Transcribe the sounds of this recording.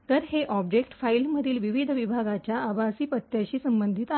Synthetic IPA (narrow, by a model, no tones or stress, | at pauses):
t̪əɾheʔɔbd͡ʑek̚ʈfailməd̪ʱiːlʋiʋid̪ʱʋibʱaɡat͡ɕjaːbasiːpət̪jaɕiːsəmbənd̪ʱit̪a